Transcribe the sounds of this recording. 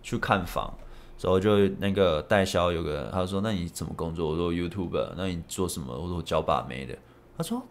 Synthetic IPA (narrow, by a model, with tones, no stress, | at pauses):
t͡ɕʰy˥˧kʰa˥˩nfɑ̰˨˩˦ŋ | ʂa˨˥˦o˧˨˧t͡ɕjo˥˧na˥˩ɡə˩t̪a˥˩ɪɕjɑ˥ʊjo˨˩ʊɡə̰˨˦a˥o˥˧˩ʂ̬wɔ˥na˥˩ni˨˩ʂə˨˩mə̰˦kʊ˥ŋt͡swɔ˥˩wɔ˨˩t͡sɔ˥˧˩ju˥t̪ʰju˥˩bə̰˨˦na˥˩ni˨˩t͡swɔ˥˩ʂə˧˦nmə̰˨wɔ˥˩˥t͡ɕjɑ˥ʊpa̰˨˩mḛ˧˥ɪd̪ə̰˨ | t̪a˥swɔ˥